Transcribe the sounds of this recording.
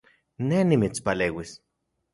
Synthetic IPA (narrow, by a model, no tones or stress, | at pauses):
nenimit͡spaleːwis